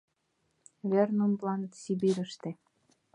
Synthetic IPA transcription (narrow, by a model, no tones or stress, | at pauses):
βernumblɑnət̪sibiɾʲə̆ʃt̪ĕ